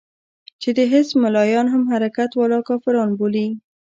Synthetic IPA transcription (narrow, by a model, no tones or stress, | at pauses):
t͡ʃed̪əɦɪsmalɑjɑnɦamɦaɾakat̪wɑlɑkɑfɪɾɑnboli